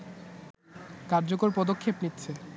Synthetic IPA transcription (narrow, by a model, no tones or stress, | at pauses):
kaɾd͡ʑokoɾpɔd̪okʰːepnitːɕʰe